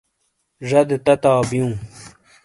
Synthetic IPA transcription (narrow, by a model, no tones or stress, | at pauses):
ʐɐd̪et̪ɐt̪aːbijũː